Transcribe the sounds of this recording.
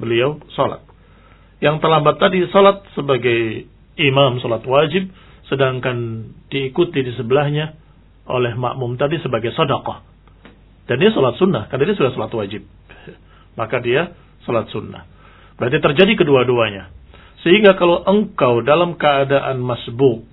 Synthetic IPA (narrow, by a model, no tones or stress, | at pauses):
bəliawsɔla̰t̪̚ | jaŋt̪ərlambat̪ːadisɔlat̪̚səbaɡaj | imamsɔlat̪wad͡ʒɪb̚ | sədaŋkand̥iːkut̪idisəbəlahɲa | ʔo̰lɛhma̰ʔmumt̪adisəbaɡajsɔdakɑh | d̥andiasɔlat̪sunːahkarnadias̬udahsɔlat̪wad͡ʒɪb̚ja | makadia | sɔlat̪̚sunːa̰h | b̥əɾant̪it̪ərd͡ʒadikəduaduaɲa | səɦiŋɡakalowʔəŋkawdalamkəːdaʔanmasbʊʔ̚